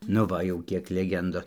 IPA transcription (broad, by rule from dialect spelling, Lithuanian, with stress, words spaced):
nʊ ˈʋɐ jɛʊ ˈkʲiɛk lʲɛˈɡʲɛndoːs